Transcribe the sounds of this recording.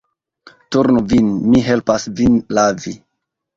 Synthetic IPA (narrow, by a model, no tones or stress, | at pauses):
tuɾnuvinmiɦelpasvinlavi